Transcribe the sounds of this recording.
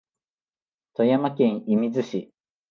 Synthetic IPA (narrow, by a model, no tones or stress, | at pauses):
t̪ojamakẽ̞ɰ̃imʲizɨɕi